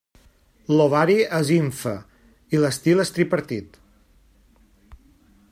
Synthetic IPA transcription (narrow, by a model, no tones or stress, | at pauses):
loβaɾiəziɱfə̰ | iləst̪ilˠəst̪ɾipəɾt̪it̪